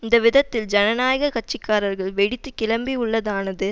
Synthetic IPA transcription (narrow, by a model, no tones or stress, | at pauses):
ɪnd̪ɐʋɪðɐt̪ːɪld͡ʒɐnɐnaːjɐɣɐkɐt͡ʃːɪkːaːɾɐɾɣɐɭʋɛɽɪt̪ːɯkɪlɐmbiʊɭːɐðaːnɐðɯ